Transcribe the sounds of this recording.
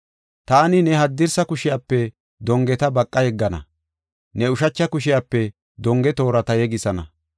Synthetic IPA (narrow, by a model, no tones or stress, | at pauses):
t̪aːnɪnɛɦɐd̪ːɪɾsɐkʊʃɪjaːpːɛ | d̪ɔŋɡɛt̪ɐbɐkʼːɐjɛɡːɐnɐ̰ | nɛʊʃɐt͡ʃːɐkʊʃɪjaːpːɛ | d̪ɔŋɡɛt̪o̞ːɾɐt̪ɐjɛɡɪsɐnɐ̰